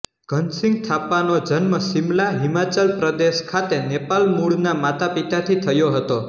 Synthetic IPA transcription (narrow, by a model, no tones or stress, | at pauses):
ɡ̥ʱənsĩŋɡ̚t̪ʰapːanod͡ʒənməsimlaɦimat͡ʃəlpɾəd̪eʃkʰat̪enepalmuɽnamat̪apit̪at̪ʰit̪ʰəjoɦət̪o